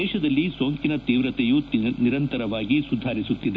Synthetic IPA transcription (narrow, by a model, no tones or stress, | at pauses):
ɛːʃɐd̪ɐlːisoːŋkinɐt̪iːʋɾɐt̪ɛjuniɾɐnt̪ɐɾɐʋaːɡisud̪ʱːaːɾisut̪ːid̪e